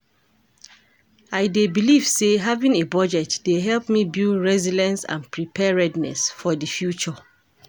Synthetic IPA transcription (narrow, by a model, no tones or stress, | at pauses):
aɪdebiliv̥seɦavĩŋebɔd͡ʒɛtd̥eɦɛlˠpmibilɹɛzilɛ̃nsã̰npʰɹipʰɛɹɛdnɛ̰sfɔdifjut͡ʃɔ